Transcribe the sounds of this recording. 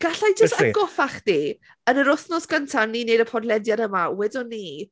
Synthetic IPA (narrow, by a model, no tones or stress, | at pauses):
ɡ̥aɬajd͡ʒəstaɡɔfaχd̥i | ənəɾʊθnɔsɡ̥əntʰanːinejdəpʰɔdlɛdjaɾəmawɛdʊni